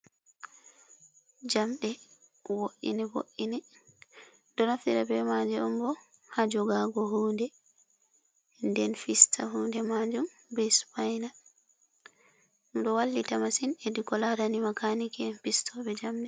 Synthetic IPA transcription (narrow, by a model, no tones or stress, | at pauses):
d͡ʒamɗɛ | woʔḭnɛbo̰ʔinɛ | dɔnafiɾabɛmad͡ʒɛmbɔ | had͡ʒɔɡaɡɔhuːndɛ | ndɛnfistʰahuːndɛmad͡ʒum | bɛspajna | nuɗɔwalːitamasinedikɔlaɾanimakanikɛfistʰɔbɛd͡ʒamɗɛ